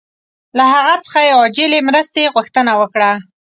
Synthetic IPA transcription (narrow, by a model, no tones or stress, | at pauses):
laɦaɣat͡sə̥xajewɑd͡ʒɪlemɾəst̪eɣʊxt̪ənawəkɽa